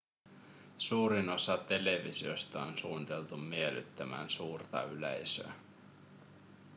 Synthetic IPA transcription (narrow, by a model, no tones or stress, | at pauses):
suːɾino̞sɑt̪e̞le̞ʋḭsio̞st̪ɑonsuːnit̪e̞lt̪ummiely̰t̪ːæmæ̰ːnsuːrt̪ɑ̰ylḛjsø̰æ